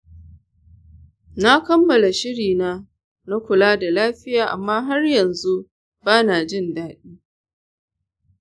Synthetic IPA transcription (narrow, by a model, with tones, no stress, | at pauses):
na˦kɐ˦mːɐ˨la˨ʃɪ˦ɽiː˨naː˦ | na˦kʷʊ˨laː˦da˨laː˦ɸɪ˦jaː˨ʔa̰˨mːaː˦ɦa˦rjɐ˨nzu˦ | baː˦naː˨d͡ʒɪ˦˨ndaː˦ɗiː˦